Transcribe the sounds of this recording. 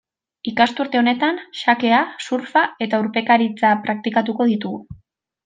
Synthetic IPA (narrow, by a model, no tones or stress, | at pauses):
ikast̪uɾt̪e̞o̞ne̞t̪anʃake̞asuɾfae̞t̪auɾpe̞kaɾit͡sapɾak̚t̪ikat̪uko̞ð̞it̪uɣu